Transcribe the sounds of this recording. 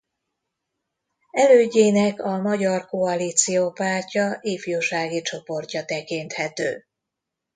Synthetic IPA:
ɛløːɟːeːnɛkɒmɒɟɒrko̞ɒliːt̪sijoːpaːrcɒʔiːfjuːʃaːɡit͡ʃo̞po̞rcɒt̪ɛkint̪hɛt̪ø̰ː

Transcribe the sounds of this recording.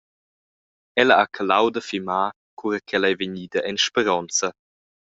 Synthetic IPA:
ɛlɐakʰalawd̪əfimaː | kʰuɾəkʰɛlajveɲiːd̪əʔɛnʃpɛɾɔnt͡sɐ

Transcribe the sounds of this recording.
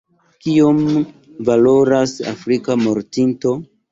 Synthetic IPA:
kiom | valo̞ɾasa̰fɾikamo̞ɾtinto̞

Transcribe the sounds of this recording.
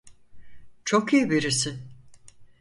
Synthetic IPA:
t͡ʃʰokijibiɾisɪ

